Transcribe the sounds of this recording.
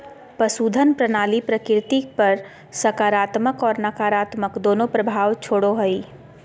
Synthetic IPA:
pɐsuːd̪ʱənpɾənaːlipɾəkɾɪt̪ipɐɾ | sɐkaːɾaːt̪məkɔːɾnɐkaːɾaːt̪məkd̪oːnõpɾəbʱaːʋt͡ʃʰoːɽoɦɐiː

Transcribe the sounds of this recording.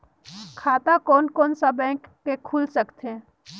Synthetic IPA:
kʰaːt̪akɔːnkɔːnsabɛ̃ːkːekʰuːlsɐkt̪ɛ̃

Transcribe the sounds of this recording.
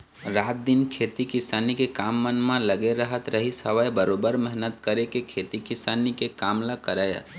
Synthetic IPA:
ɾat̪̚d̪inkʰet̪ikɪsanikekamːənmãləɡeɾəɦət̪ɾəɦisəʋəjbəɾobəɾmɛɦnət̪kəɾekekʰet̪ikɪsanikekamlakəɾəj̰

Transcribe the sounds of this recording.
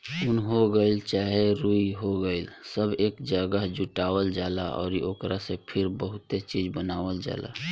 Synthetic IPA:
ʊnɦoɡəɪlt͡ʃaɦeɾuiɦoɡəɪlsəbeːkd͡ʒəɡəɦd͡ʒuʈawəld͡ʒalaʔɔ̰ːɾiʔoːkɾasepʰiɾbəɦʊt̪et͡ʃid͡ʒbənaːwəld͡ʒa̰ːla̰

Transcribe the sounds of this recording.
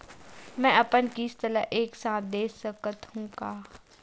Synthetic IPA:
mɛ̃ːɐpənkiːst̪əlaʔeːksaːt̪̚ʰd̪eːsəkət̪hũːkaː

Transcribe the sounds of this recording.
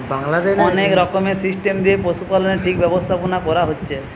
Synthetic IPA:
baŋlad̪eɔnekɾɔkomesisʈemd̪iepɾoʃupaloneʈʰik̚bɛbost̪ʰaponakɔɾaɦotːɕʰe

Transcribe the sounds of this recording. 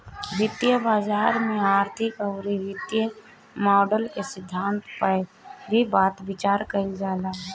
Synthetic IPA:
ʋɪt̪jəbaːd͡ʒaːɾmẽaːɾt̪ʰɪkəʊɾiʋɪt̪jə | mɔːɖəlkesɪd̪ʱːaːnt̪pəɾibaːt̪bɪt͡ʃaːɾkəid͡ʒaːlaː

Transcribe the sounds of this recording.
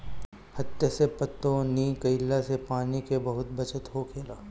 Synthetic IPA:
hɐt̪ːesepət̪ːõniːkɐɪlːasepaːnikebɐɦʊt̪̚bɐt͡ʃət̪ɦokʰeːlaː

